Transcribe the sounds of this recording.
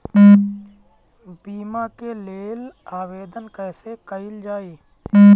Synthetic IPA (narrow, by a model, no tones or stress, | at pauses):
biːmakeleːl | aːweːd̪ənkɛːsekəɪld͡ʒaːiː